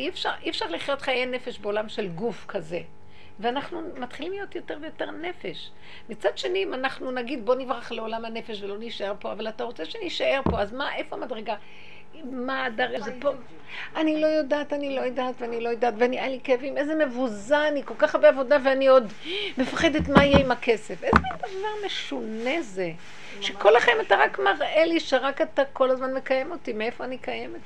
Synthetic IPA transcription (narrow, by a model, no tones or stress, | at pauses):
ifʃa̰ʁʔiefʃaʁliχjo̞t̪χajejne̞fe̞ʃbeolamʃe̞lɡufkʰaze | veanaχnumat̪χilimlijo̞tjo̞te̞ʁvejo̞teʁne̞feʃ | mit͡sad̪ʃenimanaχnunaɡid̪̚bo̞nivʁaχleo̞lamhane̞fe̞ʃvelo̞niʃae̞ʁpo̞avalataʁot͡seʃeniʃae̞ʁpo̞azmaʔefoamadʁeɡa | imadaʁɡazepo | ʔanilo̞jodaːtanilo̞jodaːt̪veanilo̞jodaːtveaniʔalikeavimezeme̞vuzaːniko̞lkaχaʁbeavo̞daveanio̞d | me̞faχe̞detmaijeimakʰe̞sefezmand̪avaʁme̞ʃoneze̞ | ʃeko̞laχemataʁakmaʁʔeliʃeʁakatako̞lazmanme̞kaje̞motimee̞foanikajemet